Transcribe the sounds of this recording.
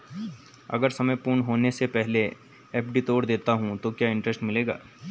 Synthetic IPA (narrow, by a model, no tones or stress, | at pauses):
ɐ̰ɡəɾsɐməjpuːɾɳɦoːnesepɛɦle | ɛːpɖit̪oːɽd̪eːt̪aɦũt̪okjaːɪ̃ɳʈɾəsʈmɪleːɡa̰ː